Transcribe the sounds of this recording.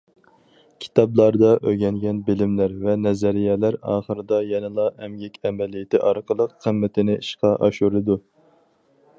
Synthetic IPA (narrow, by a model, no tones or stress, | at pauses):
kʲʰi̥t̪ʰɑblˠɑɾd̪ɑʔøɡʲɛŋɡʲɛnbɪlɪmlæɾvɛnɛzɛɾijɛlæɾɑ̰ːχəɾɨd̪ɑjɛnɨlˠɑɛmjɛkʲʰɛmɛlijɪt̪ʰɪʔɑɾqʰəlˠəqːʰəmːɪt̪ʰɪnɪʔiʃqʰɑʔɑ̰ʃuɾɨd̪u